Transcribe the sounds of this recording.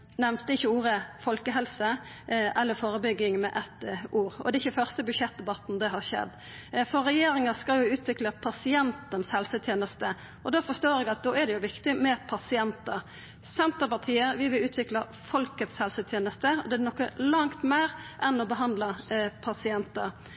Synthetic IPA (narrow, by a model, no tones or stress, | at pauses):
nɛʋnt̪əɪçːəuːɾəfɔlkəɦɛlsə | ʔɛlːəfoːɾəbʏɡːɪŋmɛ̰ʔɛt̪uːɾɔ̰d̪ɛɪçːəfœʁst̪əbʉdʃɛt̪̚d̪ɛbɑt̪ːn̩d̪ɛɦɑɾʃɛ̰d̪ː | fɔɾɛjeːɾɪŋɑskɑljʊʉːt̪ʰʋɪkləpʰɑsɪɛnt̪ənshɛlsət̪ʰjeːnəst̪ə | ʔɔd̪ofɔst̪oːɾɛɡɑt̪̚d̪oːæɾd̪ɛjʊʋɪkt̪ɪmɛpʰɑsɪɛnt̪əɾ | sɛnt̪əpɑt̪ʰiːəʋɪʋɪlʉːt̪ʰʋɪklɑ | fɔlkət̪shɛlsət̪ʰjeːnəst̪əɔ̰d̪ɛænɔkːəlɑŋt̪meːɾʔɛnɔbəɦɑnd̪ləpʰɑsɪɛnt̪əɾ